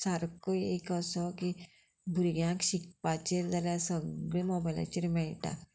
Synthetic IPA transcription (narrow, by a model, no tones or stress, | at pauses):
saɾkojekəsɔki | bʱuɾɡjãkɕik̚pat͡ɕeɾd͡zaljasəɡɭemɔbajla̰t͡ɕiɾmɛɭʈa̰